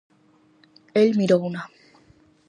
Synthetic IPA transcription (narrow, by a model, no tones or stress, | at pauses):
elmiɾowna